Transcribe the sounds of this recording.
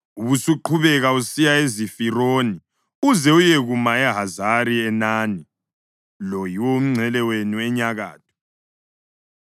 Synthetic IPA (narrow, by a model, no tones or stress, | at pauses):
uβusuǃʰuβɛɣausijaezifiroːni | uzɛujeɣumaɛɦazaɾiɛnaːni | lojiwom̩ŋ͡ǀʱɛlɛwenuɛɲaɣa̰ːt̚ʰɔ̥